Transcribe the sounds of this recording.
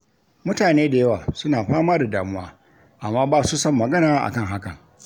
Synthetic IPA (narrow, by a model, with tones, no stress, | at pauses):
mʊ˦taː˨neː˦da˨jɐ˦waː˨sʊ˦naː˨ɸaː˦maː˦da˨daː˨mʊ˦wa̰ː˦ | ʔa˨mːaː˦baː˦su˦sɔ˦˨mːɐ˨ɡɐ˦naː˨˦ʔa̰˨kɐ˦ŋɦa˦kɐ˨ŋ